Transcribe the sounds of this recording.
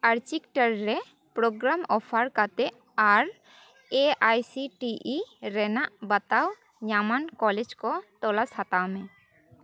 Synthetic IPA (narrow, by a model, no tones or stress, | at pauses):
aɾt͡ʃikʈəɾɾe | pɾoɡɾamɔpʰaɾkat̪e | aɾ | eajsiʈiʔiɾɛnaʔbat̪aw | ɲamankɔled͡ʒkɔt̪ɔlashat̪awmẽ